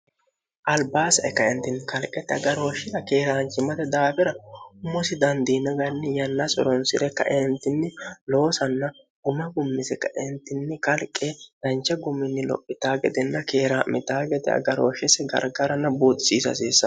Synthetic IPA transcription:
ʔɐlbaːsɐʔɛkːɐɪnt̪ɪnːɪkɐlkʼɛt̪ɪɐ̰ɡɐɾoːʃɪɾɐkeːɾaːnt͡ʃɪmɐt̪ɛd̪aːfɛɾɐʊmːɔsɪd̪ɐnd̪inɐɡɐnːɪjɐnːɐsɔ̰ɾɔnsɪɾɛkːɐ̰ʔɛnt̪ɪnːɪlo̞ːsɐnːɐ | ɡ̥ʊmɐɡʊmːɪsɛkːɐʔɪnt̪ːɪnːɪkɐlkʼːɛd̪̥ɐnt͡ʃːɛɡʊmːɪnːɪlɔ̰pʼːɪt̪aːɡɛd̪ɛnːɐkeːɾaːmɪt̪aːɡɛd̪ɛɐ̰ɡɐɾoːʃɛsɛɡɐ̰ɾɡɐɾɐnːɐbuːt̪ʼːɪ̥siːsɐ̰s̬iːsːɐ

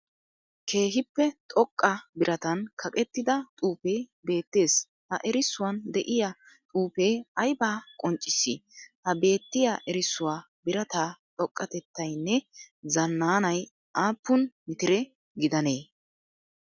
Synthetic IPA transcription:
kʰe̞ːɦɪpːɛt̪ʼɔkʼːɐbɪɾʔɐt̪ɐnkʰɐkʼɛt̪ːɪd̪ɐt̪ʼuːpeːbe̞ːt̪ːe̞ːs | hɐʔɛɾɪsːʊwɐnd̪ɛʔɪja | t̪ʼuːpeːɐjbaːkʼɔnt͡ʃʼːɪsḭhɐbe̞ːt̪ːɪjaʔɛɾɪsːʊwaː | bɪɾɐt̪aːt̪ʼɔkʼːɐt̪ɛt̪ːɐjnːɛzɐnːaːnɐj | ʔaːpːʊnmɪt̪ɪɾɛ | ɡɪd̪ɐne̞ː

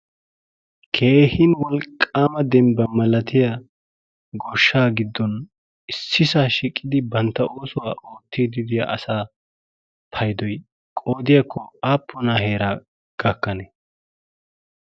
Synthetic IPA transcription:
kʰeːhɪnwɔlkʼːaːmɐd̪ɛmbɐmɐlɐt̪ɪja | ɡɔʃːaːɡɪd̪ːɔn | ɪsːɪsaːʃiːkʼːɪd̪ɪbɐnt̪ːɐoːsʊwaːʔoːt̪ːid̪ɪd̪ɪja̰ʔɐsaː | pʰɐjd̪ɔj | kʼoːd̪ɪjakːɔaːpːɔnahe̞ːɾaː | ɡ̥ɐkːɐnɛ

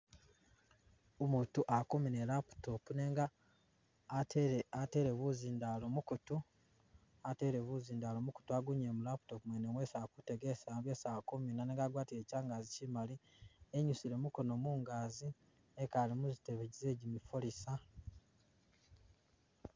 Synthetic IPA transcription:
omuːtuʔakuminelapu̥tokune̞ːŋɡaː | ate̞ɾe̞βuzindalomukutu | ate̞ːɾe̞βuziːndaːlomuku̥tuaɡuɲemulapu̥to̞kumweneŋwe̞sakute̞ɡe̞saːmbe̞saːkuminaneːŋɡaːɡwaːtile̞ːcaːŋɡaːzicimalieɲusile̞muko̞no̞muːŋɡaːzi | ekalimuziteβeɟize̞ːɟimifolisa

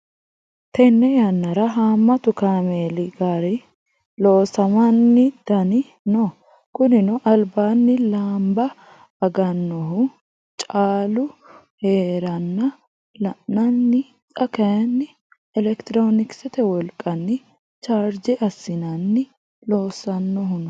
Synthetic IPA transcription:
t̪ɛnːɛjɐnːɐɾɐɦaːmːɐt̪ʊkaːmeːlɪɡaɾɛ | lo̞ːsɐmɐnːɪd̪̥ɐnɪ | no | kʊnɪnʊʔɐlbaːnːɪlaːmbɐː | ɡɐnːɔɦʊ | t͡ʃʼaːlʊ | heːɾɐnːɐ | lɐʔnɐnːɪ | tʼɐkɐjɐnːɪ | ɛlɛkt̪ɪɾoːnɪksɛt̪ɛwɔlkʼːɐnːɪ | t͡ʃaːɾd͡ʒɛʔɐsːɪnɐnːɪ | lo̞ːsɐnːɔɦʊnɔ

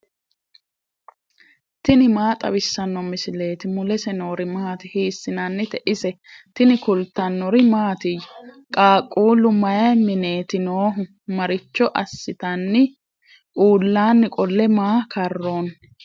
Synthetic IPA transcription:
t̪ɪnɪmaːt̪ʼɐ̰wɪsːɐnːɔmɪsɪle̞ːt̪ɪmʊlɛsɛno̞ːɾɪmaːt̪ɪhiːsːɪnɐnːɪt̪ɛʔɪsɛ | t̪ɪnɪkʊlt̪ɐnːɔɾɪmaːt̪ɪjʊ | kʼaːkʼːuːlʊmɐjɐmɪne̞ːt̪ɪnoːɦʊ | mɐɾɪt͡ʃːɔʔɐsːɪt̪ɐnːɪ | ʔuːlːaːnːɪkʼɔlːɛmaːkɐrːo̞ːn

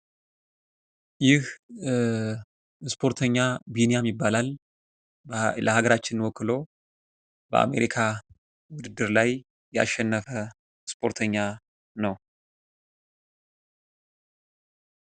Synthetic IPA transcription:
jɪh | spʰo̞ɾt̪ʰəɲːabinejamːibːalal | ləhaɡəɾat͡ʃːɪnwɔkːɨlo̞ | bə̰ʔa̰me̞̰ɾikʰa | wʊd̪ɨd̪ːɨɾlaj | jɛa̰ʃːɛnːəfə | spʰo̞ɾt̪ʰəɲːa | nəw

